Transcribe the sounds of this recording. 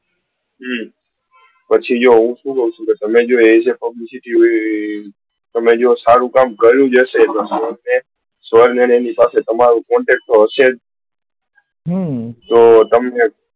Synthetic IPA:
ɦ | pət͡ʃʰid͡ʒoɦũʃũkəɦũt͡ʃʰũket̪əmẽd͡ʒoet͡ʃʰepəblisɪʈi | t̪əmed͡ʒosaɾũkamɡʱəɾjũd͡ʒəʃet̪osəɾne | sʋəɾnenenipaset̪əmaɾũkɔ̃ɳʈɛk̚ʈt̪oəʃe | t̪ot̪əmne

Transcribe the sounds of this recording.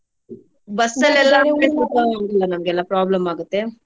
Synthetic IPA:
bɐsːɐlɛlːaːmeːpeːsɐɐt̪ːaːɾɐlːɐːnɐmɐkɛlːaːpɾaːblɐmaːɡɯt̪ːeː

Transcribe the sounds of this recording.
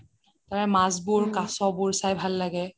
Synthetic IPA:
taɹɛmazbʊɹkasɔbuɹsajbʱalːaɡɛ

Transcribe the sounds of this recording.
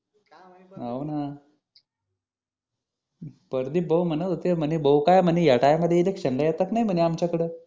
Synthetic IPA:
awna | pəɾd̪ibəwm̤ənət̪ot̪em̤ənibəwkajm̤ənijaʈajaməd̪ʱjeid̪ekɕəŋɡəjat̪aknajm̤əɳiamt͡ɕakəɽə

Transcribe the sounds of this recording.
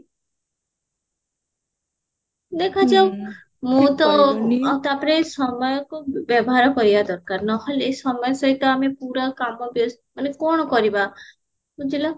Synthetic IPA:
d̪ekʰad͡ʒɔ | mũt̪ɔt̪apɾesɔmɔjɔkubjɔbɔɦaɾɔkɔɾibad̪ɔɾkaɾnɔɦɔlesɔmɔjɔsɔɦit̪ɔamepuɾakamɔbiɔs | manekɔɳ̃ɔkɔɾiba | mũd͡ʒilɔ

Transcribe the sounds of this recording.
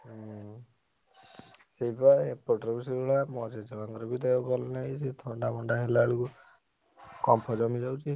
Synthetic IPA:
seibapɔʈɾɔbus̬iɡɔɭamɔd͡ʒed͡ʒɔaŋɡɔɾɔbid̪ajɔɡɔlɔnajset̪ʰɔɳɖamɔɳɖaɦelaɭuku | kɔmpʰɔd͡ʒɔmid͡ʒawt͡ʃʰi

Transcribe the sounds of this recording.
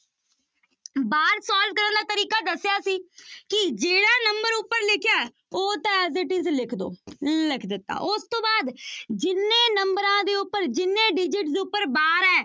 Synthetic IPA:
baːɾsɔːl̚kəɾə̃nd̪aːt̪əɾiːkaːd̪əsːjaːsiːkɪd͡ʒeːɽaːnəmbəɾʊpːəɾlɪkʰjaːɛ | oːt̪ãːɛːzɪʈizlɪkʰd̪o̰ːlɪkʰd̪ɪt̪ːa̰ːʔʊst̪õːbaːd̪d͡ʒɪnːẽːnəmbəɾãːd̪eːʊpːəɾd͡ʒɪnːẽːɖɪd͡ʒɪʈd̪eːʊpːəɾbaːɾɛː

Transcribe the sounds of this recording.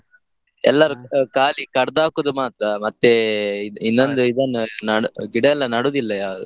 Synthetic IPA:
ɛlːɐɾukaːlikɐɽd̪aːkud̪umaːt̪ɾɐmɐt̪ːeinːond̪uid̪ɐnːunɐɽuɡiɽɐɛlːɐnɐɽuːd̪ilːɐjaːɾu

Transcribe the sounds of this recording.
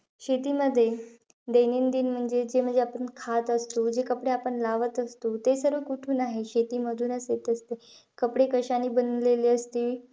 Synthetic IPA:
ɕet̪iːməd̪ʱːje | d̪eniːnd̪iːnm̤əɳd͡zed͡ʑem̤əɳd͡zeapəɳkʰat̪əst̪od͡ʑekəpɽeapəɳlaʋət̪əst̪ot̪esəɾʋəkuʈʰuːnaɦeɕet̪iːməd̪ʱuːnəsjet̪əst̪e | kəpɽekəɕaniːbənleleəst̪ii

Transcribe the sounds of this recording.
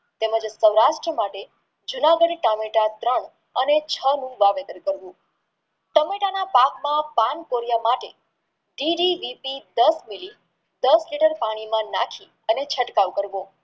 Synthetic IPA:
t̪eməd͡ʒsəwɾaʃʈɾəmaʈe | d͡ʒunaɡəɖʈəmeʈat̪ɾəɳ | ənet͡ʃʰənũʋaʋet̪əɾkəɾʋũ | ʈəmeʈanapakmãpankoɾjamaʈe | ɖiɖiʋipid̪əsmili | d̪əsliʈəɾpaɽ̃imãnakʰi | ənet͡ʃʰəʈkaʋkəɾʋõ

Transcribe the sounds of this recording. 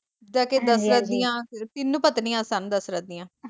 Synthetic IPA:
d̪aːked̪əsɾəd̪ijãːt̪ɪnːũːpət̪nĩːãːsənd̪əsɾəd̪ijãː

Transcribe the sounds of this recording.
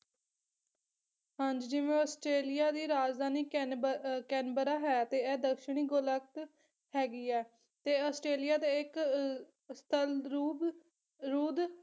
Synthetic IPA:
həɲd͡ʒd͡ʒɪʋẽːɔːsʈɾeːlɪjaːd̪iːɾaːd͡ʒd̪ʱaːniː | kɛːnbəɾaːɦɛːt̪eːɛːd̪əkʃəɳ̃iːɡolək̚t̪ | hɛːɡiːɛː | t̪eːɔːsʈɾeːlijaːd̪eːɪk | st̪ʰəlɾuːb | ɾuːd̪

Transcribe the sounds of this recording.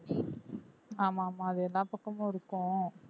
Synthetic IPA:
aːmaːmãːɐðɯɛlːãːpɐkːɐmõːɪɾɯkːõ

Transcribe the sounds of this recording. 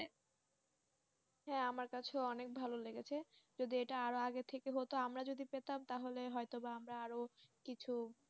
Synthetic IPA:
ɦɛ̃amaɾkat͡ɕʰeɔnek̚bʱaloleɡet͡ɕʰed͡ʑod̪ieʈaaɾoaɡet̪ʰekeɦot̪oamɾad͡ʑod̪ipet̪amt̪aɦoleɦɔet̪obaamɾaaɾokit͡ɕʰu

